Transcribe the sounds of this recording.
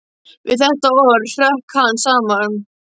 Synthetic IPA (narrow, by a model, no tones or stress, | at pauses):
vɪðθɛht̪aɔɾɬœhkʰansaːman